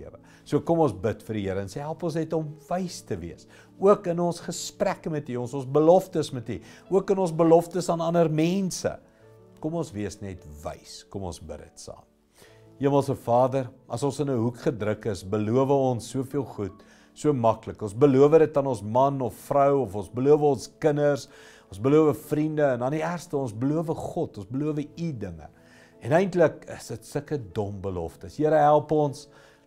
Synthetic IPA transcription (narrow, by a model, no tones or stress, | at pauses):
əɾə | suəkɔmɔnsbətfərɾiəɾəənsɛɦælˠpɔnsnɛtɔmvəjstəvḭəs | uəkənɔnsχəsprækəmɛtiɔnsɔ̃nsbəlɔftəsmɛtiuəkənɔ̃nsbəlɔftəsɑːnɐnərmɛnsə̰ | kɔmɔnsviəsnɛtvə̰jskɔmɔ̰nsbə̰də̰tsɑ̰ːm | iəməlˠsəfɑːdərɐ̰sɔ̃nsənəɦukχədrəkəsbəluəvəɔnsːuəfiəlˠχut | suəmɐkləkɔnsbəluəvəɾət̚dɐnɔnsmɐnɔffrəwɔfɔ̃nsbəluəvəɔnskənərs | ɔ̃nsbəluəvəfrindəːnɐniærstəɔ̃nsbəluəvəχɔtɔnsbəluəvəidəŋə̰ | ɛnɛjntləkəsətstəkədɔmbəlɔftəsjiəɾəɦælˠpɔns